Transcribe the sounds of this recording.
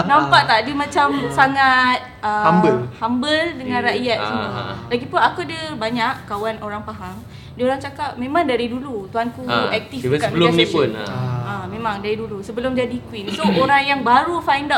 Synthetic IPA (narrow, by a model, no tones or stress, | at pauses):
nãmpaʔt̪adəmãt͡ʃamsaŋat̪̚əambəlhambəldəŋãnraʔjat̪̚siulaɡipʊnakuadəbaɲakkawanʔoɾaŋpaɦaŋ | dəoɾaŋt͡ʃakap̚mẽmãŋdaɾidulut̪uɦankuɛk̚t̪ifkabəlʊmnĩpun̰amẽmãŋdaɾidulusəbəlʊmd͡ʒadikwinsooɾaŋjaŋbaɾufajnda